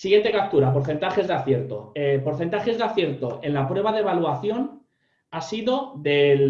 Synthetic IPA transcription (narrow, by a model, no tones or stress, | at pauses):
siɣje̞nt̪e̞kap̚t̪uɾap̬o̞ɾθe̞nt̪axe̞zðaθje̞ɾt̪o̞epo̞ɾθent̪axe̞zðaθje̞ɾt̪o̞ʔe̞nlapɾwe̞β̞aðeβ̞aluaθjo̞n | asiðo̞ðe̞l